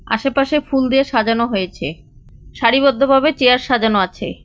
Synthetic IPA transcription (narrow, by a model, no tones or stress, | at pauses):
a̰ʃepaʃefuld̪ieʃad͡ʑonoɦojet͡ɕʰḛ | ʃaɽiβod̪ʱːobʱabet͡ɕeaɾʃad͡ʑanoat͡ɕʰḛ